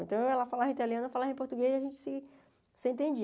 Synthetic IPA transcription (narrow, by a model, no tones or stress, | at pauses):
ẽnt̪ɐ̃w̃ɛlɐfalaɦẽt̪aliɐ̃nɐfalaɦẽpoɾt̪uɡezaʒẽnt͡ʃɪ̥sɪ | sẽnt̪̬ẽd͡ʒi